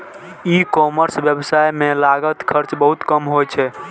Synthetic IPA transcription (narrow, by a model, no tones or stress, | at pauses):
ikɔməɾsbjəbsajmelaɡət̪kʰəɾt͡ʃbəɦut̪kəmɦojt͡ʃʰɛ